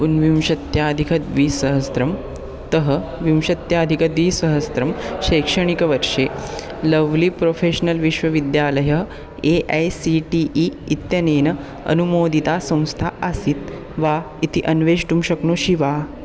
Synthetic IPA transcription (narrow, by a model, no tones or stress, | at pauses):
punʋim̃ɕɐt̪jaːd̪ʱikʰɐt̪ʋiːsəɦəst̪ɾɐm | t̪əɦəʋimɕɐt̪jad̪ʱikɐd̪ʋiːsɐɦəst̪ɾɐmɕekʂəɳ̃ikɐʋəɾʂe | ləʋliːpɾofeɕnɐlʋiʃʋɐʋid̪jaːlɐjɐ | eʔajsiʈiʔiːt̪jɐneːnɐ | ɐ̰numoːd̪ʱit̪asɐ̃w̃st̪ʰaʔəsiːt̪ | ʋa | it̪iʔɐnʋeːd͡ʑʈumɕɐknuːɕiʋa